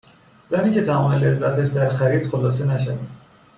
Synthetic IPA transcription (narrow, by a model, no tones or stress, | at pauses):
z̥æniːcʰe̞t̪ʰæmɒːmele̞zːæt̪ʰæʃd̪æɾxæɾiːd̪xolɒːsenæʃ̬ævḭn